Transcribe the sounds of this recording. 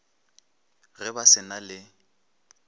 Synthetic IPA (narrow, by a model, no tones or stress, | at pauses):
ɣɛbasɪnalɪ